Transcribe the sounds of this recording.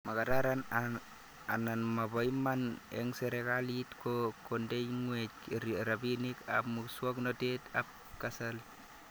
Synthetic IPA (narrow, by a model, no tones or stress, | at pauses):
makataɾan | a̰nanmabɔimanɛ̰ŋsɛɾekalitkokondejŋwetɾɾabinika̰pmuswɔknɔtetap̚ | kasal